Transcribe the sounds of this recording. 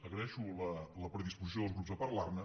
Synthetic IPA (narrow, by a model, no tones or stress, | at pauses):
əɣɾəɛʃulələpɾəðispuzis̬joðəlˠzɣɾupzðəpaɾlarnə